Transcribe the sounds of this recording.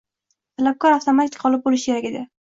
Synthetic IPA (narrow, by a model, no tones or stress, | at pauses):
t̪ʰalap̚kʰɒɾawt̪ʰomat̪ʰɪ̥kʲqɒlˠɪp̚bolɪʃkʲʰe̞ɾakʲed̪ɪ